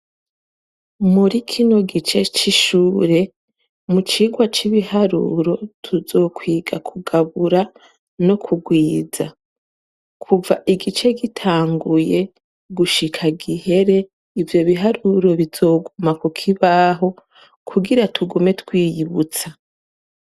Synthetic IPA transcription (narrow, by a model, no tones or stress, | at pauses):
muɾikʰino̞ɡit͡ʃe̞t͡ʃiʃuːɾe̞ | mut͡ʃiːɡwat͡ʃiβihaɾṵɾo̞tʰuzo̞ːkwiːɡakʰuɡaβuɾa | no̞kʰuɡwiːza̰ | kʰuvaʔiɡit͡ʃe̞ɡitʰaːŋɡuje̞ | ɡuʃikʰaɡihe̞ɾe̞ | ivjo̞βiɦaɾuɾo̞βizo̞ːɡumakukʰiβaɦo̞ | kʰuɡiɾatʰuɡume̞tkwiːjiβut͡sa